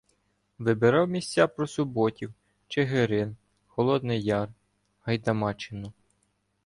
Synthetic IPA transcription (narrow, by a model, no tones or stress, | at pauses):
ʋɪbɪɾɑwmʲisʲt͡sʲapɾɔsʊbɔtʲiw | t͡ʃeɦeɾɪn | xɔlˠɔd̪nɪjɑr | hɐjd̪ɐmɑt͡ʃɪnʊ